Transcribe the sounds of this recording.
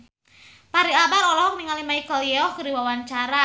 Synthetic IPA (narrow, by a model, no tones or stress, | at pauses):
paɾiabaɾɔlɔɦɔk̚niŋalimaikɔljɛɔkɨɾiwawaɲt͡ʃaɾa